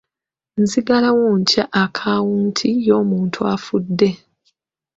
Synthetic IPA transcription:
nziɡalawoɲcaʔːkʰawuːntʰijo̞ːmuːntʰuafudːe̞

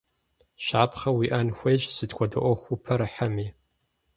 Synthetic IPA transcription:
ʃaːpχɐwiːʔɐnxʷejʒsɨdkʷɔdɐ̰ʔʷɔxʷupʰɐɾɨħamiː

